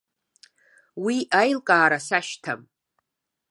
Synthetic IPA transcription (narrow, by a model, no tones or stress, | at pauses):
wiʔajlkʼaːɾasaʃtʰam